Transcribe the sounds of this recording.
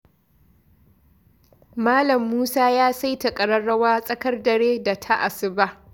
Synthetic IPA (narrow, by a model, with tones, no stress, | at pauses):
maː˦lɐ˨mːuː˦saː˦jaː˦sa˦jta˨kʼɐ˨ɽɐ˦ɽːɐ˦waː˦sʼɐ˦kɐ˦rdɐ˨ɽeː˦da˨tʰa˦ʔa˨sɪ˨ba˦ʔ